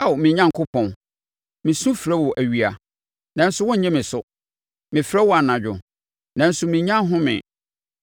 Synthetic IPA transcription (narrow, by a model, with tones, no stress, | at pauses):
a˦˨wmɪ̃˨ɲã˦˨ŋkʰʊ˦pʰɔ̃˨n | mɪ̃˨sũ˦fɾɛ˦wɔ˨ʔæ˨ɥi˨a˨ | nã˨n̩˦sʊ˦wɔ̃˦ɲ̩˦ɲɛ̃˦mɪ̃˨sʊ˦ | mɪ̃˨fɾɛ˦wɔ˦a˨nã˨d͡ʑᶣʊ̰˨ | nã˨n̩˦sʊ˨mĩ˨ɲã˦ɦʊ̃˦mɪ̰̃˨